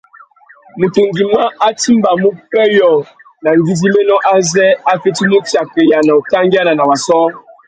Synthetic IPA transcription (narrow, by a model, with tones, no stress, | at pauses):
mu˨te˨ŋɡi˨ma˦a˦ti˦mba˨mu˦pɛ˦jɔ˨ | na˨ŋ˨ɡi˦zi˦me˦nɔ˦ʔa˦zɛ˦a˦fe˦ti˦mu˦t͡ʃja˨ke˨ja˨na˨u˨ta˦ŋ˦ɡa˦na˨na˨wa˨sɔ˦